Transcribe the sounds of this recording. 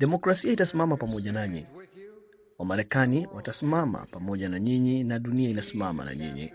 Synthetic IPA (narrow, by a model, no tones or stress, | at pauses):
ɗɛmɔkɾasiaitasimamapamɔʄanaɲḭ | wamaɾɛkaniwʔatasimama̰pamɔʄanaɲiɲinaɗuniainasimama̰na̰ɲḭɲḭ